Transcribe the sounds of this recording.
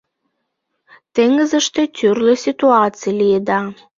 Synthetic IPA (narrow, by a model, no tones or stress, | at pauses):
t̪eŋəzə̆ʃt̪ĕt̪ʲʰyrlesʲit̪uɑt͡sɨjlʲijed̪ɑ